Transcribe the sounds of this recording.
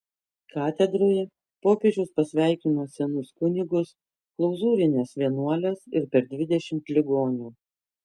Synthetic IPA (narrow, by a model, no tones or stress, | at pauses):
kɑːt̪ʲɛd̪ɾoːjɛ | poːkʲed͡ʒʲɛʊspɐsʲʋʲæˑɪkʲɪːnoːsʲɛnʊskʊnʲɪɡʊs | klˠɔʊzuːɾʲɪnʲeːsʋʲiɛnuɔlʲeːsɪɾpʲɛɾd̪ʲʋʲɪd̪ʲɛʃʲɪmt̪lʲɪɡoːnʲuː